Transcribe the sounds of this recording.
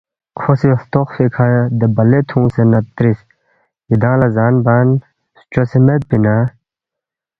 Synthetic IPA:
kʰosiɐst̪oxfekʰajɐd̪ebɐlet̪ʰũːsenɐt̪ɾis | id̪ãːlɐzaːnbaːn | st͡ʃosemet̪̚pina

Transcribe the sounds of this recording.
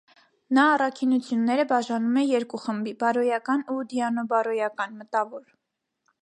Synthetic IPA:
nɑːrɑkʰinut͡sʰjunːɛɾəbɑʒɑnumɛjɛɾkuχəmbibɑɾɔjɑkɑnud̪iɑnɔbɑɾɔjɑkɑnmət̪ɑvɔɾ

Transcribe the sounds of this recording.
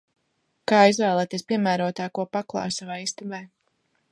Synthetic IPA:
kaːizvɛːlˠɛːt̪iɛspʲiɛmæːɾuɔt̪ːaːkuɔpaklˠɑ̰ːsavajist̪ubɛː

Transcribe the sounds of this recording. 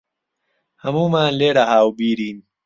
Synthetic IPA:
hɐmuːmaːnleːɽaɦaːwbiːɾiːn

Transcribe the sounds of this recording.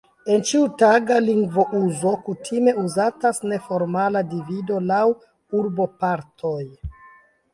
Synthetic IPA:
e̞nt͡ʃiutaɡaliŋɡvo̞ʔuzo̞kutʰime̞uzatasne̞fo̞ɾmaladivido̞law | uɾbo̞paɾtʰoj

